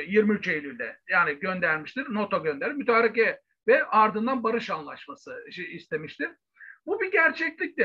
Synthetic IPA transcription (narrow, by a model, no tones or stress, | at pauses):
jiɾmiyt͡ʃejlʲylʲd̪ɛ̰jaːniɟø̞nd̪æɾmiʃt̪ʰiɾno̞t̪ʰoɟø̞nd̪eɾimyt̪ʰaːɾacɛ | vɛʔaɾd̪ɯnd̪anbaɾɯʃanlˠaʃmasɯʃist̪ʰe̞miʃt̪ʰiɾ̥ | bubiɟæɾt͡ʃʰɛclʲic̚t̪ɪ